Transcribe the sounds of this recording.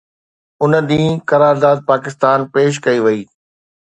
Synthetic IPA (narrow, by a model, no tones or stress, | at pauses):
ʊnə̆d̪ĩːkɐɾaːɾd̪aːd̪̚paːkɪst̪aːnpeːʃ̬kɐiʋɐiː